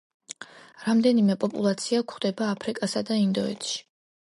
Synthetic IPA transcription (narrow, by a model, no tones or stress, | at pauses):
ɾamd̪ɛnimɛpʼɔpʼulˠat̪sʰiakʰχd̪ɛbaːpʰɾikʼasad̪aind̪ɔɛ̰t̪ʃi̥